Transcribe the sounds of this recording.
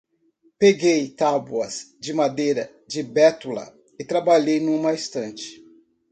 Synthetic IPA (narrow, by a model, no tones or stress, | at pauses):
peɡejt̪abuɐsd͡ʒɪmad̪ejɾɐ | d͡ʒɪbɛt̪ulɐ̰ | ɪt̪ɾabaʎejnũmɐist̪ɐ̃nt͡ʃɪ̥